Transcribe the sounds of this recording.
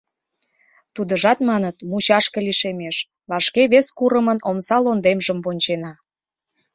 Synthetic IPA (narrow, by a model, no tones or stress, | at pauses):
t̪ud̪əʒɑt̪mɑnət̪mut͡ɕɑʃkəliʃemeʃ | βɑʃkeβeskuɾəmənomsɑlond̪emʒəmvonʲt͡ɕenɑ